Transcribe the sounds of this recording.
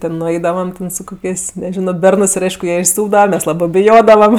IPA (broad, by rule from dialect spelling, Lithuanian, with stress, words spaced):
tʲɪ nʊˈɐɪdɐʋɐm ˈtʲɛn sʊ ˈkoːkʲeːsʲ nʲɛˈʒʲɪnoː ˈbʲɛrnɜs ˈɪr ˈɐɪʃkʊ ˈjiɛ ɪʃsuːbdɐʋɐ ˈmʲɛs ˈlˠɑːbɜ bʲɪˈjoːdɐʋɐm